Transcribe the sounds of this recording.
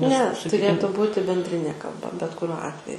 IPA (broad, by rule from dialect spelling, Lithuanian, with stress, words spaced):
nʲɛ tʊˈrʲeːtʊ ˈbuːtʲɪ bʲɛnʲdʲˈrʲɪnʲeː kɐlˠˈbɐ bʲɛt kʊˈrʲuɔ ˈɑːtʲʋʲɛjʊ